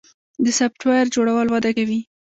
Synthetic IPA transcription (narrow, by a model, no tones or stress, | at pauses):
d̪əsapʈwajaɾd͡ʒoɽawəlwɑd̪akawi